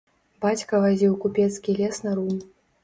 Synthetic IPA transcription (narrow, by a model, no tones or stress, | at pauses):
bat͡sʲkɐvazʲiwkupʲɛt̪skʲilʲɛsnɐɾum